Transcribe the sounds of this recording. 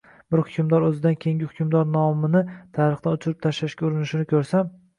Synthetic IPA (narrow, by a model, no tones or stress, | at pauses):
bɪɾhʊkʲʰʊmd̪ɒɾɵzɪd̪ankʲʰeŋʲɪhʊ̥kʰʲʊmd̪ɒɾnɒmɪnɪt̪ʰaɾɨχd̪anʊt͡ʃʰɪɾɪp̚t̪ʰaʃlaʃkʲaʊɾɪnɪʃɪnɪkʲʰɵɾsam